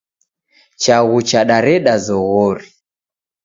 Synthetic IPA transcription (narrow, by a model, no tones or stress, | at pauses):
t͡ʃaɣut͡ʃaɗaɾɛɗazɔɣɔɾi